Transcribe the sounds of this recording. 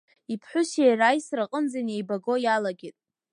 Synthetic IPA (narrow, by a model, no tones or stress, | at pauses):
ipʰħʷʊʃejrajsraqʼənd͡zaniejbaɡo̞jalaɡʲɪtʼ